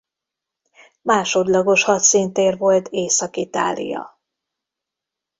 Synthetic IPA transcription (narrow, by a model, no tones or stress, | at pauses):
maːʃo̞d̪lɒɡo̞ʃhɒt̪sint̪eːrvo̞lt̪ʰeːsɒkit̪a̰ːlḭjɒ̰